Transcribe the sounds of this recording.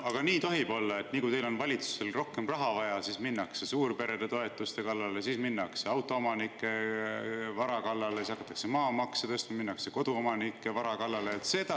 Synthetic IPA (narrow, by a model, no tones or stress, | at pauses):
ɑɡ̥ɑniːt̪o̞ɦib̥o̞lːɑe̞t̪ːniːkujt̪e̞jlo̞nvɑlʲit̪su̥se̞lro̞hke̞mrɑɦɑvɑjɑsisminːɑkse̞suːrpe̞ɾed̪̥et̪o̞e̞t̪ːˑust̪e̞kɑlːɑle̞sisminːɑkse̞ɑwt̪ːˑo̞omɑnikːˑe̞ | vɑɾɑkɑlːɑle̞sisɑkːˑɑt̪ːˑɑ̥kse̞mɑːmɑkset̪est̪mminːɑkse̞ko̞d̪uomɑnikːˑe̞vɑɾɑkɑlːɑleːt̪se̞t̪ɑ